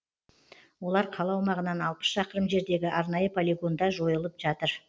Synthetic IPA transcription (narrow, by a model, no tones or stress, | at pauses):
wo̞lˠɑɾqʰɑlˠɑwmɑʁənɑnɑlˠpə̥sʃɑqəɾəmʒe̞ɾd̪e̞ɡʲɪʔɑɾnɑjəpʰolʲiɡo̞nd̪ɑʒo̞jəlˠəpʒ̥ɑt̪əɾ